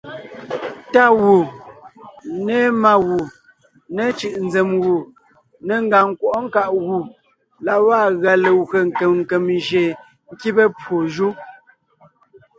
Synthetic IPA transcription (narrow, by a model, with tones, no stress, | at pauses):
ta˦˨wu˨ | ne˦ma˨ɣu˨ | ne˦t͡ʃɯ˨ʔn˦d͡ze˨mwu˨ | ne˨˦ŋ˦ɡa˨ŋ˨kwɔ˨ʔŋ̩˦ka˦ʔɣu˨ | la˨wa˦˨ɣa˨le˨we˨ŋ˨ke˨mŋ̩˨ke˨mʒe˨ | ŋ̩˦ki˦bə˦pwo˨ʒu˦